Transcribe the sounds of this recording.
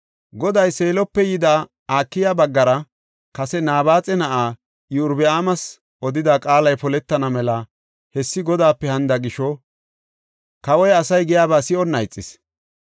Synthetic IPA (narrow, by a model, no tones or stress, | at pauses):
ɡɔd̪ɐjse̞ːlɔpːɛjɪd̪aː | aːkːɪjabɐɡːɐɾɐ | kɐsɛnaːbaːt͡sʼɛnɐʔaː | jɪʊɾbɛaːmɐs | ʔɔd̪ɪd̪aːkʼaːlɐjpɔlɛt̪ːɐnɐmɛlɐ | hɛsːɪɡɔd̪aːpːɛhɐnd̪ɐɡɪʃɔ | kɐwɔjɐsɐjɡɪjaːbaːsɪɔnːɐjt͡sʼːɪ̰s